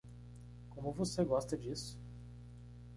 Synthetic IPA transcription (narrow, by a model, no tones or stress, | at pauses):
kõmʊvoseɡɔst̪ɐd͡ʒisʊ̥